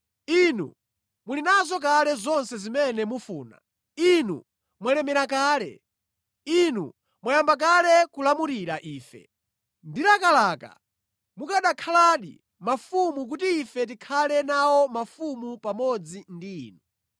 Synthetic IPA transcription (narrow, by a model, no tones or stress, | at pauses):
inṵ | mulinazɔk̬alɛzɔnsɛzimɛnɛmufuːna̰ | inṵ | mwalɛmɛɾakaːlɛ̰ | inṵ | mwajambak̬alɛkulamuɾiɾaʔiːfɛ̰ | ndiɾakalaːka̰ | mukaɗakʰalaːɗḭ | mafumuk̬utiːfɛt̬ikʰalɛnawɔmafumupamɔd͡zindḭːnu